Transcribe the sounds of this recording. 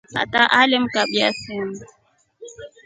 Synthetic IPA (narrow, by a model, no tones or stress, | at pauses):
ha̰taʔalɪm̩kaɓiasɛm